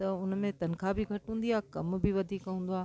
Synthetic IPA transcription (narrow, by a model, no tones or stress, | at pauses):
t̪ɐʊnmẽt̪ɐn̆kʰabɪɡʱɐʈɦũːnd̪iaːkɐmbɪʋɐd̪ʱiːkɐũːn̆d̪oaː